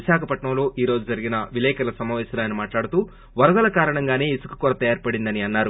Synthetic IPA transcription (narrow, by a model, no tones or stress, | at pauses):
iʃaːkʰɐpɐʈɳɐmlo̞ːʔiːɾo̞ːd͡ʒud͡ʒɐɾiɡinɐʋilɛːkɐlɐsɐmaːʋɛːsɐlaːɐnimaːʈlaːɽut̪uː | ʋɐɾɐd̪ɐlɐkaːɾɐɳɐŋɡaːne̞ːisu̥ku̥kuːɾɐt̪ɐjaːɾpɐɽind̪ɐniɐnːaːɾu